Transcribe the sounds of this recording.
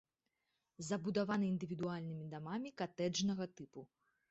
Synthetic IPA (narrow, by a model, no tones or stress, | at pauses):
zɐbud̪avanɨind̪ɨvʲid̪ualʲnɨmʲid̪amamʲikat̪ɛd͡ʐnɐɣɐt̪ɨpu